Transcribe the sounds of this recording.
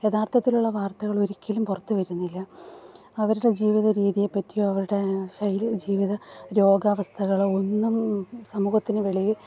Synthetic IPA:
jet̪ʰaːrt̪ʰɐt̪ːiluɭːɐʋaːrt̪ɐɣɐɭo̞ɾikʲːilumpurɐt̪ːuʋɐɾunːilːɐ | ɐʋɐɾuɽe̞d͡ʑiːʋiðɐɾiːðijepːɐtːijoɐʋɐɾuɽe̞ɕɐjild͡ʑiːʋiðɐɾo̞ːɡaːʋɐst̪ʰɐɣɐɭo̞nːumsɐmuːhɐt̪ːinɨʋeɭijɨ

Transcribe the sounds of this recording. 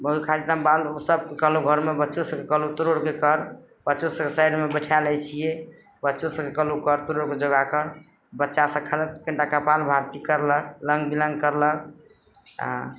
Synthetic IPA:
oikʰad͡ʒit̪ambalosəb̚kekəloɡʱəɾmebətːʃosəb̚kekəlot̪uɾoɽkekəɾ | b̥ətːʃosəkesajɖmebəʈʰalɛt͡ʃʰije | bətːʃosəbkekəlokəɾt̪uɾoɽked͡ʒoɡakəɾ | bətːʃasə̃kʰəlkəɳʈakəpalbʱaɾt̪ikəɾlək̚ləŋɡbilə̃ŋɡkəɾlək | a̰

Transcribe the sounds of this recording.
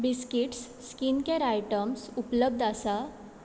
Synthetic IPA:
biskiʈsːkinkẽɾajʈəmsupləb̚d̪ʱasa

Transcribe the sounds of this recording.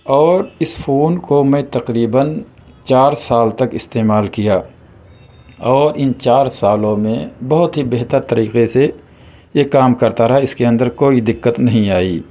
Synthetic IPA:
ɔːɾɪsfʰoːnkomẽt̪ɐqɾiːbən | t͡ʃaːɾsaːlt̪ɐkɪst̪eːmaːlkijaː | ɔːɾɪnt͡ʃaːɾsaːlõmẽbɐɦʊt̪ɦibeɦt̪əɾt̪ɐɾiːqese | jekaːmkɐɾt̪aɾɐɦaɪskeɐ̃nd̪əɾkoːid̪ɪqːət̪nɐɦĩaːiː

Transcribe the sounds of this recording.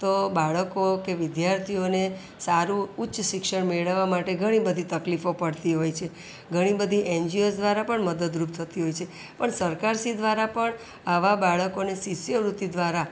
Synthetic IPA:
t̪obaɭəkokeʋɪd̪jaɾt̪ʰione | saɾuːtːʃʃɪkʃəɳmeɭəʋːamaʈeɡʱəɽ̃ibəd̪ʱit̪əklifopəɽt̪iɦojt͡ʃʰe | ɡʱəɽ̃ibəd̪ʱiʔend͡ʒiosd̪ʋaɾapəɳməd̪əd̪ɾup̚t̪ʰət̪iɦojt͡ʃʰe | pəɳsəɾkaɾsid̪ʋaɾapəɳ | aʋabaɭəkonesisjəɾut̪id̪ʋaɾa

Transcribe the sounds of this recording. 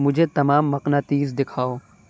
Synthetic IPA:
mʊd͡ʒʱet̪ɐmaːmːɐqnat̪iːzd̪ɪkʰaːoː

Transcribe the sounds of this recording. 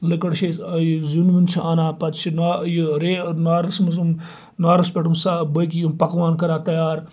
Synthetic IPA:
likɐɽt͡ʃʰejzunʋint͡ʃʰiʔanaːpɐt̪t͡ʃʰinaːjiɾeːnaːɾɐsmɐzum | naːɾɐspʲeʈumsabɐkijumpɐkʋaːnkɐɾaːt̪ɐjaːɾ

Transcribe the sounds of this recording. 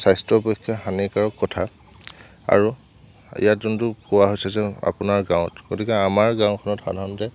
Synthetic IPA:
sajstɹɔpekʰːjaxanikaɹɔkːɔtʰa | a̰ɹu | ḭjatzuntʊkowaɦojsɛzɛa̰punaɹɡãw̃ɔtɡ̥otikɛamaɹɡãw̃kʰɔnɔtxa̰dʱaɔnɔtɛ

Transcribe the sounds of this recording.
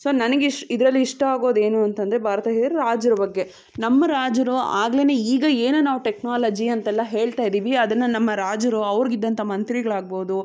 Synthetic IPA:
soːnɐnɐɡeʂid̪ɾɐlːiiʂʈɐaːɡo̞ːd̪e̞ːnuɐnt̪ɐnd̪ɾebʱaːɾɐt̪ɐɦeːɾuɾaːd͡ʒɐɾɐbɐɡːe̞ | nɐmːɐɾaːd͡ʒɐɾua̰ːɡleːne̞iːɡɐeːnunaːʋuʈeknaːlɐd͡ʒiɐnt̪ɛlːɐɦe̞ːɭt̪aːjid̪iːʋiɐd̪ɐnːɐnɐmːɐɾaːd͡ʒɐɾuɐʋɐɾɡid̪ːɐnt̪ʰɐmɐnt̪ɾiɡɐɭaːɡ̚bo̞ːd̪u

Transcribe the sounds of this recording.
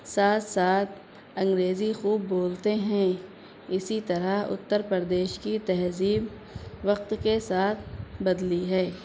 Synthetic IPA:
saːt̪ʰsaːt̪̚ʰ | ɐ̃ŋɡɾeːzixuːbːoːlt̪eɦɛ̃ | ɪsit̪ɐɾaʊ̰t̪ːəɾpəɾd̪eːʃkit̪ɛɦziːb | ʋɐq̚t̪kesaːt̪ʰbɐd̪liɦɛː

